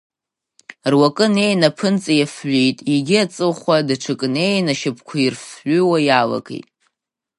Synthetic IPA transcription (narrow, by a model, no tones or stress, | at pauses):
rwakʼɨne̞jnapʰɨnt͡sʼajafɥʷijtʼiɡʲiat͡sʼɨlχʷadaʈ͡ʂʰɨkʼɨne̞jnaʃɪpʰkʷʰairfħʏwajala̰kʼḛjtʼ